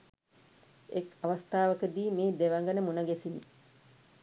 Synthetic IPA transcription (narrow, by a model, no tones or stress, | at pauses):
ekɐʋɐst̪aːʋəkəd̪iːmeːd̪eʋɐŋɡɐnəmunɐɡesinḭ